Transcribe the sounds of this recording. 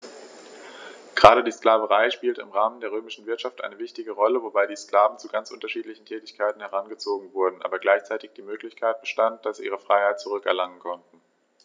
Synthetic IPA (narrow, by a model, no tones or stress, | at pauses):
ɡ̥əʁaːɾədiːsklaːvəʁaɪʃpiːltəɪmʁaːməndeːɐʁøːmɪʃn̩vɪɐtʃaftʔa̰ɪnəvɪçtɪɡəʁɔləvobaɪdiːskl̥aːvn̩t͡suɡant͡sʔʊntɐʃiːtlɪçn̩tʰɛːtɪçkʰaɪtn̩hɛʁ̞anɡət͡soːɡŋ̩vʊɐdn̩ʔa̰ːbɐɡlaɪçt͡saɪtɪçd̥iːmøːklɪçkʰaɪt̚b̥əʃtant̚d̥asz̥iːʔiːʁ̞əfʁ̥aɪhaɪt̚t͡suʁʏkɛɐlaŋənkʰɔntn̩